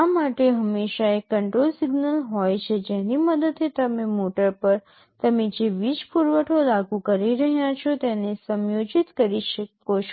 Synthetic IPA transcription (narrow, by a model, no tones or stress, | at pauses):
amaʈeɦəmːeʃaekːəɳʈɾolsɪɡnəlɦɔjt͡ʃʰed͡ʒeniməd̪əd̪et̪əmemoʈəɾpəɾ | t̪əmed͡ʒeʋid͡ʒpuɾʋəʈʰolaɡukəɾiɾəɦjat͡ʃʰot̪enesəmjod͡ʒit̪kəɾiʃəko